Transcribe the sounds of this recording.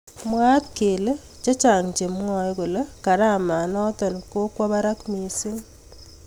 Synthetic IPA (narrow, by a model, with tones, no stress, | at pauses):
mwa˦t̪̚ke˨le˦ | t͡ʃe˦t͡ʃa˨ŋt͡ʃe˨mŋɔ˦jko˨le˦ka˨ɾa˦˨ma˨nɔ˦tɔ˨nko˦kwa˦βa˦ɾa˦kmi˨si˦n